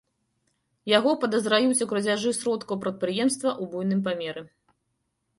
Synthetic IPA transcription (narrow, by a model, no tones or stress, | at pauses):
jaɣɔpɐd̪ɐzɾajut͡sʲukɾɐd͡zʲaʐɨsɾɔt̪kɐwpɾɐt̪̚pɾɨjɛmst̪vɐʔubujn̪ɨmp̬amʲɛɾɨ